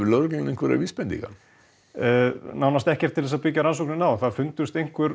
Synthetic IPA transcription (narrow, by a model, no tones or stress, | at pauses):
ɪlœɾceŋnɪŋkvɛɾa̰viːspɛnt̪iŋka̰n | nawnast̪ɛhcɛɾ̥t̪ʰɪlθɛsapɪcaɾansɔwknɪnawθaðfʏnt̪ʏst̪ejŋ̥kʰvʏɾ